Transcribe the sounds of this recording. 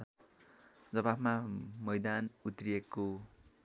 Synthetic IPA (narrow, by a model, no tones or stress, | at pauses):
d͡zʌbabmamʌjd̪anut̪rijekːo